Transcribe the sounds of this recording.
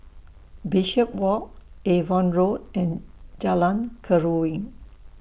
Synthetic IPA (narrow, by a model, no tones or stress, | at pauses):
biʃəp̚wɔk̚evɔ̃nɹotɛ̃nd͡ʒalãnkʰəɹuĩŋ